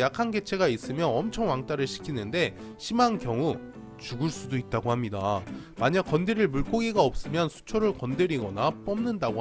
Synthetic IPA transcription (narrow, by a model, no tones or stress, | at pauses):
jakʰanɡe̞t͡ɕʰe̞ɡais͈ɯmjʌnʌmt͡ɕʰʌŋwaŋt͈aɾɯɭɕʰi̥kʰinɯnde̞ | ɕʰimankjʌŋu | t͡ɕuɡɯɭs͈udoit̚t͈aɡohamɲidamaɲak͈ʌndeɾiɭmuɭk͈oɡiɡaʌp̚s͈ɯmjʌnsʰu̥t͡ɕʰʌɾɯɭkʌndɯɾiɡʌnap͈ʌmnɯndaɡo